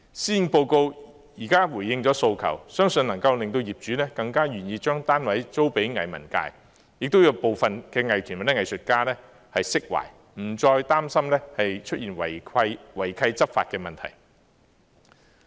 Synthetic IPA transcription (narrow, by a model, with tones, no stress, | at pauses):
siː˥jnpo˧wko˧w | jiː˨˩kaː˥wuː˨˩jːɪ˧ŋt͡sɔː˨˥so˧wkʰɐ̰˨˩wsœː˥ŋsɵ˧nɐ˨˩ŋkɐ˧wlɪ˨ŋt̪̬o˧wjiː˨p̚t͡ʃyː˨˥nɛː˥kɐ˧ŋkaː˥jyː˨˩njiː˧t͡ʃœː˥ŋt̪aː˥nwɐ˨˥jt͡so˥wpe˨˥jŋɐ̰˨jmɐ̰˨˩nka̰ː˧j | jɪ˨k̚t̪o˥wjɐ˨˧wpo˨wfɐ˨nkɛː˧ŋɐ˨jt̪ʰy˨˩mɐ˨˩nɛ˥ŋɐ˨jsɵ˨t̚kaː˥nɛː˥ | hɐ˨jsɪ˥k̚wa̰ː˨˩j | m̩˨˩t͡ʃɔː˧jt̪aː˥msɐ˥mnɛː˥hɐ˨jt͡ʃʰɵ˥t̚jiː˨˩nwɐ˨˩jʰɐ˧jwɐ˨˩jkʰɐ˧jt͡sɐ˥p̚faː˧t̚kɛː˧mɐ˨nt̪ʰɐ̰˨˩j